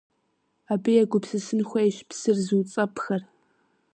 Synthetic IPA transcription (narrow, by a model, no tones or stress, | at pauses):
aːbɨjɛɡʷʊpsɨsɨnxʷɐjɕpsɨrzuːt͡sʼɐpʰxɐr